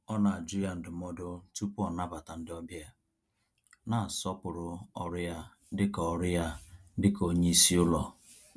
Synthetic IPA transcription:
ɔ˦na˨a˨d͡ʒi˦ja˦n̩˨dʊ˨mɔ˦do˦tu˦pʊ˦ɔ˨na˦ba˨ta˨n̩˦dɪ˦ɔ˦bja˦ | na˨sɔ˦pʊ˨ɾʊ˨ɔ˨ɾɪ˦ja˦ | dɪ˦kɔ˨ɾɪ˦ja˦dɪ˦ko˨ɲe˦i˦si˦ʊ˦lɔ˨

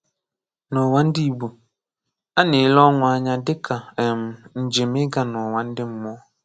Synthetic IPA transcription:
nɔ˨wa˦n̩˦di˦i˨bu˨ | a˦ne˨˦lɔ˦ŋʷ˨a˦ɲa˦dɪ˦kʰa˨m̩˨n̩˨d͡ʒe˨me˦ɡa˨nɔ˨wa˨n̩˦dɪ˦m̩˦mɔ˦

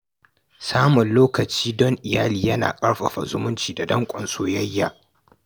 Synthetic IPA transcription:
saː˦mʊ˨nloː˦kɐ˨t͡ʃiː˦dɔ˦ŋʔɪ˨jaː˦liː˨jɐ˦na̰ː˨kʼɐ˦ɽɸɐ̰˨ɸa̰˨zʊ̰˦mʊ˦nt͡ʃiː˨da˨dɐ˦ŋkʷʼɔ˨nsoː˦jɐ˦jːa̰ː˨

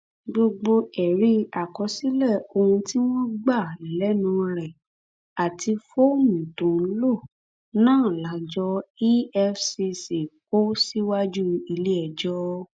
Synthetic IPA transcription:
ɡ͡bo˧ɡ͡bo˧ɛ˨ɾi˧˦a˨kɔ˧˦si˦lɛ˦˨o˧hũ˧ti˦w̃ɔ̃˦ɡ͡ba˦˨lɛ˨˦nũ˧˦ɾɛ˨ | a˨ti˧fo˦mĩ˨tũ˨˦lo˦˨ | nãː˦˨la˨˦d͡ʒɔ˧i˦ɛ˧fsi˧si˨ko˦si˦wa˦d͡ʒu˦i˧le˦ɛ˨d͡ʒɔ˦

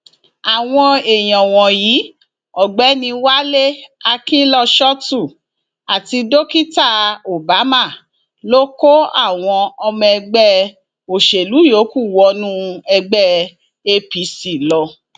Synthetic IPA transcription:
a˨w̃ɔ̃˧e˨j̃ɔ̃˨w̃ɔ̃˨jiː˨˦ | ɔ˨ɡ͡bɛ˨˦nĩ˧wa˦le˦a˧kĩ˦lɔ˧ʃɔ˦tu˦˨ | a˨ti˧do˦ki˦ta˦˨o˨ba˨˦ma˦˨ | lo˦ko˦a̰˦˨w̃ɔ̃˧ɔ˧mɛ̃˧ɡ͡bɛ˦ | o˨ʃe˨lu˨˦jo˨˦ku˦˨wɔ˧˦nũ˦ɛ˧ɡ͡bɛ˦ | e˧pi˨˦si˦˨lɔ˧

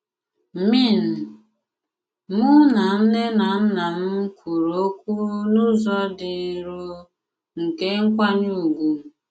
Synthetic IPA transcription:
mi˦˨n̩˨ | mʊ˦na˨n̩˦ne˦na˨m̩˦na˨m̩˦kʰʷu˨ɾo˦kʷu˦nʊ˦zɔ˦dɪ˨ɾu˦ | ŋ̩˨ke˦ŋ̩˦kʷa˦ɲu˦˨ɡʷu˨

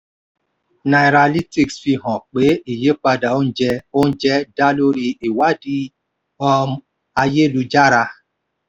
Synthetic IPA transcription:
na˨jɾa˨li˦ti˦˨ksfi˧ɦɔ̃˨k͡pe˨˦i˨je˨˦k͡pa˧da˨o˦n̩˦d͡ʒɛ˧o˦n̩˦d͡ʒɛ˦da˦lo˦ɾi˧i˨wa˨˦di˦ | ɔ˧m˦ | a˧je˦lu˧d͡ʒa˦ɾa˧

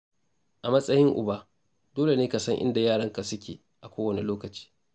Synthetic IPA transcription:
ʔa˨mɐ˦sʼɐ˦jɪ˦ŋʔʊ˨baː˦ | d̥oː˦le˨neː˦ka˨sɐ˦ŋʔɪ̰˦nda˨jaː˦˨ɽɐ˦ŋka˨sʊ˦kʲʰḛː˨ | ʔa˨kʷoː˦wɐ˨ne˨loː˦kɐ˨t͡ʃi̥ː˦

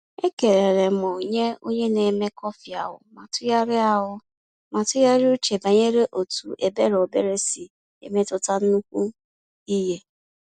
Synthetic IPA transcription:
e˦ke˨ɾe˨ɾe˨mɔ˨o˨ɲe˦o˦ɲe˦ne˨me˦kɔ˦fɪ˨a̰˨ɦʊ̰˨ma˨tʊ˦ja˦ɾɪ˦a˦ɦʊ˦ | ma˨tʊ˦ja˦ɾɪ˦u˦t͡ʃe˨ba˨ɲe˦ɾe˦ʔo˨tu˨ʔe˨be˦ɾo˨be˦ɾe˦si˨ | ḛ˨me˦tʊ˦ta˦n̩˦nu˦kʷu˦ | i˦ɦe˦

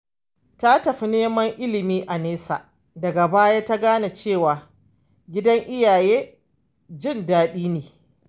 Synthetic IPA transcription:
ta˦tɐ˨ɸi˦neː˦mɐ˦ŋʔɪ˦lɪ˨miː˦ʔa˨neː˦sa̰ː˨ | dɐ˨ɡa˨baː˦jaː˦ta˦ɡaː˦na˨t͡ʃeː˦˨waː˨ | ɡʲɪ˦dɐ˦ŋʔɪ˦jaː˨jeː˦ | d͡ʒɪ˦˨ndaː˨ɗiː˦neː˨

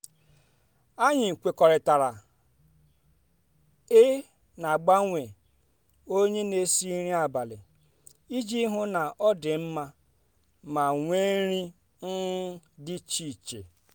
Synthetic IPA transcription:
a˦ɲɪ˨kʷe˨kɔ˨ɾɪ˨ta˨ɾa˨ | e˦ | na˨a˨ɡ͡ba˦ŋʷe˨ | o˦ɲe˦ne˦si˦ɾi˦a˨ba˨lɪ̰˨ | i˦d͡ʒi˦ɦʊ˦na˨ʔɔ˦dɪ˨m̩˦ma˦ | ma˨ŋʷe˦ɾi˦ | n̩˦dɪ˦t͡ʃi˨t͡ʃḛ˨

